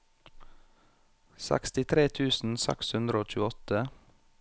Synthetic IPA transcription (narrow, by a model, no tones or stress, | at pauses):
sæ̰kst̪ɪt̪ʰɾeːt̪ʰʉːsn̩sɛ̰kshʉnd̪ɾəoːc͡çʉːɔt̪ə